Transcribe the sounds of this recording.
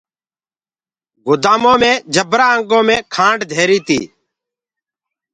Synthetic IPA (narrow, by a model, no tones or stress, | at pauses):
ɡʊd̪aːmõːmẽːd͡ʒʱəbɾaːəŋɡõːmẽːkʰãːɳɖd̪ʱeːɾiːt̪ḭː